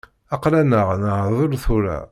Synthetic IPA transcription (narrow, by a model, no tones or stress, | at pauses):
ɑqlænəʁnəhðˤʊɾθʊɾæ̰